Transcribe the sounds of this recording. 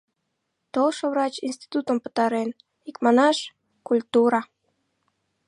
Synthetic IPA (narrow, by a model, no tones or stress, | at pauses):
t̪olˠʃə̆vrɑt͡ɕinst̪i̥t̪ut̪əmpə̥̆t̪ɑɾen | ikmɑnɑʃ | kulʲt̪uɾɑ